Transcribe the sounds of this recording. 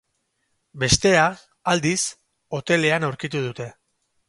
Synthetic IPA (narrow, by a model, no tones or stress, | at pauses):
be̞st̪e̞a | ald̪is | o̞t̪e̞le̞anawɾkit̪uð̞ut̪e̞